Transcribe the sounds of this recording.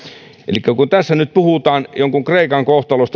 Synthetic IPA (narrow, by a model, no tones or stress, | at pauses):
ʔḛlikːækunt̪æsːænyt̪̚puhut̪ɑːnjoŋkuŋkreˑikɑŋkoht̪ɑlost̪